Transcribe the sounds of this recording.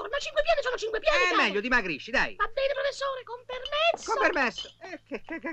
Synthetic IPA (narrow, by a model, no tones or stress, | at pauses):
ornat͡ʃiŋkwepjaːd̪esoːnot͡ʃiŋkwepjaːmmːɛʎːod̪imaɡɾiʃːid̪a̰jvabːɛːnepɾofesːoːɾekompermɛt̪sːkompermɛsːoɛkekekːe